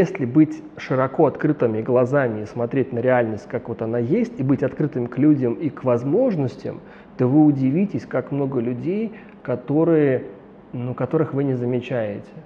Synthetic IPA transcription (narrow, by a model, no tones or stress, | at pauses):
jesʲlʲɪbɨtʲ | ʂɨɾɐko̞ɐt̪kɾɨt̪ɨmʲɪɡlˠɐzamʲɪːsmɐt̪ɾʲetʲnəɾʲɪalʲnəsʲtʲkakvo̞t̪ɐnajesʲtʲɪbɨtʲɐt̪kɾɨt̪ɨmʲɪklʲudʲəmikvɐzmo̞ʐnəsʲtʲɪ̰m | t̪ovɨʊdʲɪvʲitʲɪsʲkakmno̞ɡəlʲʉdʲej | kɐt̪o̞ɾɨjə | nukɐt̪o̞ɾɨxvɨnʲɪzəmʲɪt͡ɕæjɪtʲɪ̥